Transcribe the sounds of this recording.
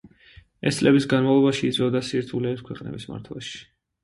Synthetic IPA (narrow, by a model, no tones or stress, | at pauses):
ɛst̪sʼlɛbisɡanmavlˠɔbaʃiːt̪sʼɔd̪asiɾt̪ʰulɛːpskʰwɛqʼnɛ̰bisma̰ɾt̪ʰla̰ʃi̥